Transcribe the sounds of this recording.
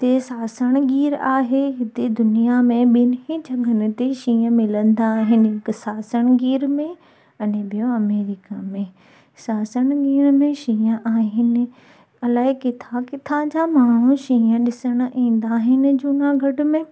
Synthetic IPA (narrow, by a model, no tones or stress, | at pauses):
t̪esaːsəɽ̃ɡiːɾaːɦeɦɪt̪ed̪ʊnijamẽɓɪnĩd͡ʑʱɐɡʱənɪ̆t̪eʃĩːə̃mɪlə̃nd̪aːɦɪnɪɦɪksaːsəɽ̃ɡiːɾmẽ | ɐnebijõɐmeːɾikamẽ | saːsəɽ̃ɡiːɾmẽʃĩːə̃ʔaːɦɪnɪ̆ | ɐlaːɦɪkɪt̪ʰakɪt̪ʰãd͡ʑamaːɳ̤̃uʃĩːə̃ɗɪsəɽ̃ʔĩːnd̪aːɦɪnɪ̆d͡ʑunaɡʱɐɖʊ̆mẽ